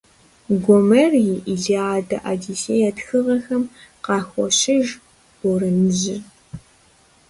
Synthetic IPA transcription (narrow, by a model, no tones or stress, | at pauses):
ɡʷɔmɐrjiʔiɮiaːdɐʔaːdiseːjaːtxɨʁɐxɐmqɑːxʷɔ̰ɕɪʒ | ɔɾɨnɨʑɪ